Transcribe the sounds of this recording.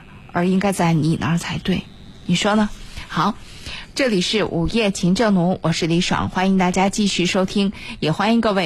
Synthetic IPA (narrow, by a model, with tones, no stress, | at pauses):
ə˧˥i˥ŋka˥ɪt͡sa˥˩ɪni˨˩na̰˧˥˧t͡sʰa˧˥ɪt̪we˥˩ɪ | ni˨˩ʂwɔ˥nə˨xɑ˧˩˦ʊ | ʈ͡ʂɤ˥˩li˨˩ʂɻ̩˥˩ʔṵ˨˩jɛ˥˩t͡ɕʰi˧˥ŋʈ͡ʂɤ˥˩ŋnu˧˥ŋwʔɔ˨˩ʂɻ̩˥˩li˧˥ʂwɑ̰˨˩˦ŋxwa˥ni˧˥ŋt̪a˥˩t͡ɕja˥t͡ɕi˥˧ɕy˥˩ʂo˥ʊt̪ʰi˥ŋjɛ˨˩xwa˥ni˧˥ŋkɤ˥˧we˥˩ɪ